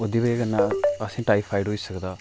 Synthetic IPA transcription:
od̪iːbəekənːaːəsĩːʈaːipʰaːɪɖɦoːiːsəkd̪aː

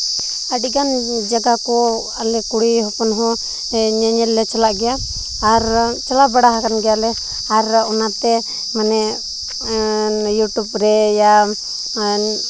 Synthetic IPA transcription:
əɖiɡand͡ʒaɡakɔ | alɛkuɽihɔpɔnɦɔ | ɲɛɲɛlːɛt͡ʃalaʔɡɛjaː | ɾt͡ʃalabaɽaɦakanɡɛjalɛ | aɾɔnat̪ɛ | manɛʔ | juʈubɾɛja

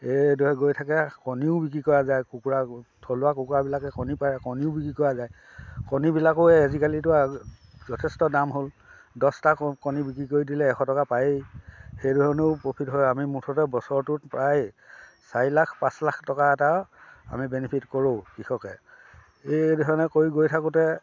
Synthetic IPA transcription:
edɔɛɡojtʰakɛkɔniʊbik̬ɹikɔɹazajkukuɹatʰɔlʊakukuɹabilakɛkɔnipajɹɛkɔniʊbikɹikɔɹazaj | kɔnibilakʊezikalitʊa | zɔtʰɛstɔdamɦol | dɔstakkɔnibikɹikojdilɛːxɔtɔkapajejxejdɔɦɔneʊpɹopʰitɦɔjamimutʰɔtɛbɔsɔɹtʊtpɹaj | sailakʰpãslakʰtɔkaɛtaa̰mibenipʰitkɔɹokixʰɔkɛ | ejdɔɦɔɔnɛkoɹiɡojtʰakʊtɛ

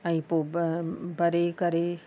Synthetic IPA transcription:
ɐ̃ĩpo | bɐɾekɐɾe

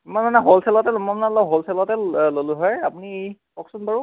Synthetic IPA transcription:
mananaɦolsʰɛlɔtɛlɔmamanalɔɦolsʰɛlatɛlolʊɦɔjapuni | ɔksɔnbaɹu

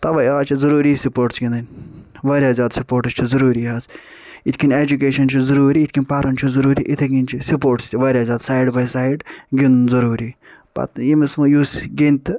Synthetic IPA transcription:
t̪ɐʋɐjaːt͡ʃʰizɐɾuːɾisipoːɾʈsɡʲĩnd̪ɐnʲʋɐɾʲjaːzʲjaːd̪supoːɾʈɨst͡ʃʰizɐɾuːɾiːɦɐz | it̪ʰʲkʰʲinʲeːd͡ʒukeːʃɐnt͡ʃʰizɐɾuːɾiːt̪ʰʲkʲinʲpaːɾɐnt͡ʃʰuzɐɾuːɾiʔit̪ʰeɡʲinʲt͡ʃʰisipoːɾʈst̪ʰiʋɐːɾʲjaːzʲjaːd̪saːiɖbɐjsaːiɖɡinnzɐɾuːɾi | bɐ̰t̪jimismɐjuːsɡint̪

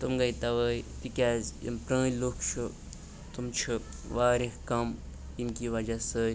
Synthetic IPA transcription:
t̪umɡɐit̪ɐʋəːjt̪ikʲaːzḭmpɾɐ̃ːlukʰt͡ʃʰu | t̪umt͡ʃʰu | ʋaːɾihkɐm | inkiːʋɐd͡ʒasəːj

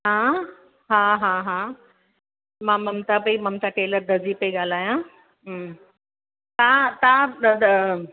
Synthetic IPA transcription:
ɦãː | ɦãːɦãːɦãː | mãmɐmt̪apɐimɐmt̪aʈeːləɾd̪ʱɐzipɐiɠaːl̤aːjã | ɦ | t̪ãt̪ãːd̪

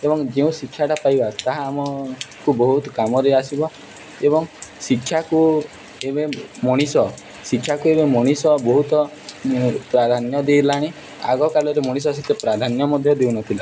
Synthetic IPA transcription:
ebɔŋd͡ʒeũsikʰːjaʈapajbat̪aɦaːmɔkubɔɦut̪kamɔɾeasibɔ | ebɔŋsikʰːjaku | ebemɔɽ̃isɔ | sikʰːjakuebemɔɽ̃isɔbɔɦut̪ɔ | pɾad̪ʱanjɔd̪ejlaɽ̃e | a̰ɡɔkalɔɾemɔɽis̬ɔs̬it̪epɾad̪ʱanjɔmɔd̪ʱjɔd̪eunɔt̪ʰila

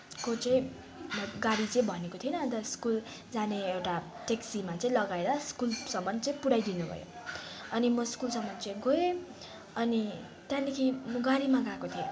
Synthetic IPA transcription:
kot͡sʌ̃ĩ | ʌɡaɽit͡sʌĩbʱʌnekot̪ʰienʌd̪ʌskul | d͡zaneewʈa | ʈeksimat͡saĩlʌɡaeɾʌskulsʌmʌnt͡sʌĩpuɽajd̪inubʱʌ̰jo̰ʌnimʌskulsʌmʌnt͡sʌĩɡoje | ʌni | t̪jãlekʰimʌɡaɽimaɡãkot̪ʰijo

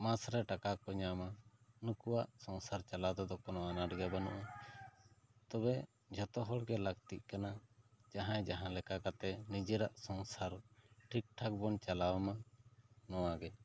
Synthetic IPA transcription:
masɾɛʈakakɔɲamanukuwaʔsɔ̃wsaɾt͡ʃalad̪ɔd̪ɔkɔnɔʔanaɖɡɛbanɔ̰ʔa | t̪ɔbɛ | d͡ʒʱɔt̪ɔɦɔɽɡɛlaɡt̪iʔ̪̚ˀkanad͡ʒaɦãjd͡ʒaɦãlɛkakat̪ɛnid͡ʒɛɾaʔsɔ̃wsaɾʈʰik̚ʈʰak̚bɔnt͡ʃalawɛma | nɔwaɡɛ

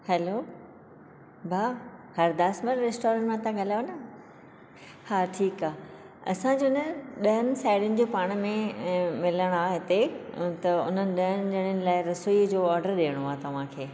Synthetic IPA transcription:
hɛloː | baːhɐɾd̪aːsməɾɾesʈɔːɾə̃ɳʈmãt̪ãɡʱɐlaːjonɐ | haːʈʰiːkaː | ɐ̰sãd͡ʑoːnəɗɐɦənɪ̆saːɪɽjʊnɪ̆d͡ʑoːpaːɽ̃mẽmɪləɽ̃aːɦɪt̪et̪ɐʊ̰n̤ənɪ̆ɗɐɦənɪ̆ɗɐɽ̃ʊnɪ̆laːɪɾɐsoiəd͡ʑoːɔːɾɖəɾɗeːəɽ̃oaːt̪ɐʋ̤ãkʰeː

